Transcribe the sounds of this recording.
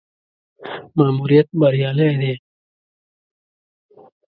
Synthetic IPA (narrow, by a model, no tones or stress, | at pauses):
maːmuːɾijɐt̪̚bɐɾijaːlɐjd̪eː